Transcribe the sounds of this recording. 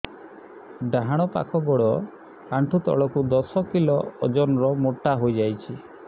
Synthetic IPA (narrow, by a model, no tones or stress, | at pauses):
ɖaɦaɽ̃ɔpa̰kʰɔɡɔɽɔ | aɳʈʰut̪ɔ̰ɭɔkud̪ɔsɔkilɔ̰ːd͡ʒɔnɔɾɔmoʈːaɦojd͡ʒajt͡ʃʰi